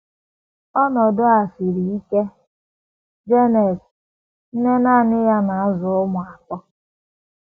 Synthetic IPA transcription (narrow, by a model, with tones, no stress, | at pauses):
ɔ˦nɔ˨dʊ˦a˨fi˨ɾi˨i˦ke˦ | d͡ʒe˦nɛ˨s | n̩˦ne˦naː˦˨nɪ˦ja˦na˨˦zʊ˨ʊ˦mʊ˨a˨kɔ˦